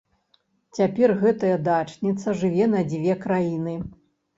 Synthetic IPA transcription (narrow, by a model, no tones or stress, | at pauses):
t͡sʲapʲɛrɣɛt̪ɐjɐd̪at͡ʂnʲit̪sɐʐɨvʲɛnɐd͡zʲvʲɛkɾajinɨ